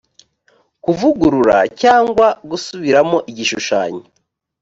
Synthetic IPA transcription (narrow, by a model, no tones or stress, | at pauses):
kuvuɡuɾuɾa̰caːŋɡwaɡusuβiɾamo̞ʔiɟiʃuʃa̰ːɲoo